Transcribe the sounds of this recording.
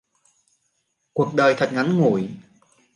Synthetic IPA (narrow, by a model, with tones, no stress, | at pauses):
ku˨˩ək̚ɗəː˨˩jt̪ʰə˨˩t̚ŋa˨˦nŋu˧˩j